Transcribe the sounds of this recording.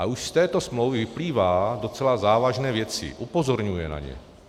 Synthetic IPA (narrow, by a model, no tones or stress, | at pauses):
auʃst̪ɛːt̪o̞smlowvɪvɪpliːvaːdo̞t͡sɛlazaːvaʒnɛːvjɛt͡sɪ̰ʔupozoɾɲujɛna̰ɲɛ̰